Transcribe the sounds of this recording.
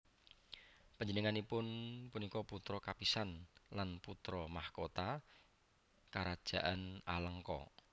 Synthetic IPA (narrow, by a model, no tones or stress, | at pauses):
pəɲd͡ʒənəŋanipʊnpunikɔput̪ɾɔkapisanlanput̪ɾɔmahkot̪a | kaɾad̥ʒ̥a̤ʔanaləŋkɔ̰